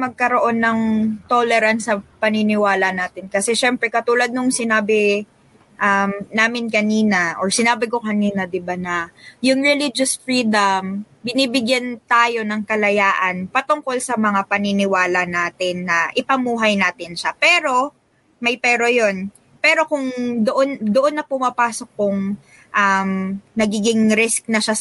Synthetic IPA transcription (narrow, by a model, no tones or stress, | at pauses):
mɐɡ̚kɐɾo̞ʔo̞nːɐŋt̪olɛɾɐnsɐpɐnɪnɪwaːlɐnaːt̪ɪnkɐsɛʃɛmpɾɛkɐt̪uːlɐd̪̚nʊŋsɪnaːbɪ | ʔɐmnaːmɪnkɐniːnɐʔoɹsɪnaːbɪko̞kɐniːnɐd̪ɪbanɐjʊŋɹɛlid͡ʒosfɹiːd̪ɐm | bɪnibɪɡjɐnt̪aːjo̞nɐŋkɐlɐjaːʔɐnpɐt̪ʊŋko̞lsɐmɐŋapɐnɪnɪwaːlɐnaːt̪ɪnːɐʔɪpɐmuːɦɐjnaːt̪ɪnʃapɛːɾo̞ | mɐjpɛːɾo̞jo̞n | pɛːɾo̞kʊŋd̪oʔond̪oʔo̞nːɐpʊmɐpaːso̞k̚ːʊŋ | ʔɐmnɐɡiːɡɪŋɾɪsk̚nɐʃa